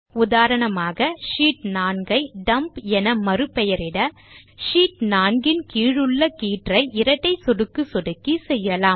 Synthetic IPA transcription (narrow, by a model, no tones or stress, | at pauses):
ʊðaːɾɐɳɐmaːɣɐʂiːʈ̚naːɳɡɐɪɖɐmpɛnɐmɐɾɯpːɛjɐɾɪɽɐ | ʂiːʈ̚naːɳɡɪnkiːɻɯɭːɐkiːʈrɐɪʔɪɾɐʈːɐɪsɔɽɯkːɯsɔɽɯkːisɛjːɐlaːm